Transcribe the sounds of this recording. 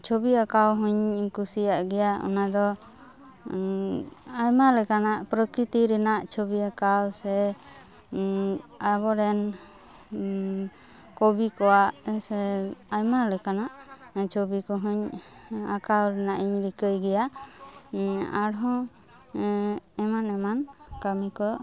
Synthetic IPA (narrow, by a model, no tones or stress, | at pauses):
t͡ʃobiakawɦuɲkusijaʔɡɛjaɔ̰nad̪ɔ | ajmalɛkanaʔpɾəkɾit̪iɾɛnaʔt͡ʃɔbiakawsɛ | aβɔɾɛn | kɔbikɔwaʔsɛajmalɛkanaʔt͡ʃobikɔɦɔɲakawɾɛnaʔiɲɾikəjɡɛja | a̰ɽɦɔ̃ | ɛmanɛmankamikɔ